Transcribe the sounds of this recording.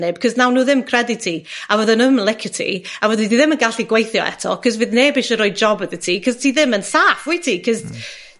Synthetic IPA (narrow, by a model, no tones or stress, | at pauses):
nɪb̥kʰɔznawnuːðɪmkʰr̥ɛdɪtʰiːawəðənəmlˠɪkʰɪtʰḭawəðəniðɪmənɡaɬiɡwejθjɔ̰ʔɛ̰tʰɔ̰kʰɔzvɨðneːbɪʃəɾʊɨd̚d͡ʒɔbəðətʰiːkʰɔz̥tʰiːðɪmənsaːfwitʰikʰɔz